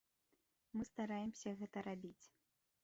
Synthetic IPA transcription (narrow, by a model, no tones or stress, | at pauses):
mɨst̪aɾajɛmsʲɐɣɛt̪ɐɾabʲit͡sʲ